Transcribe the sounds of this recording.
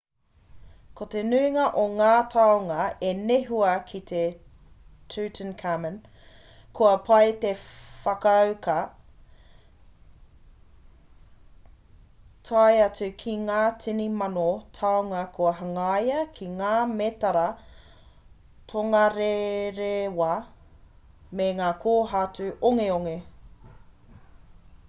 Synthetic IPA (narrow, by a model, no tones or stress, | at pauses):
kot̪enʉiŋɐʔoŋaːtʰɐoŋɐeneɦuɐkʰit̪ʰe | tʰʉːtʰənkʰamən | kʰoɐpʰɐjt̪efɐkɐɐwkʰɐ | tʰajɐt͡sʉkʰiŋaːt͡sʰinimɐnotʰawŋɐkʰuɐɦɐŋajɐkʰiŋaːmet̪ɐɾɐ | tʰoŋɐɾeɾewɐ | meŋaːkʰoːɦat͡sʉʔoŋeoŋe